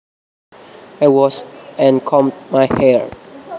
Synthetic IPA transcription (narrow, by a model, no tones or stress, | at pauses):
awɔsɛ̃nkʰɔmtmajhɛɹ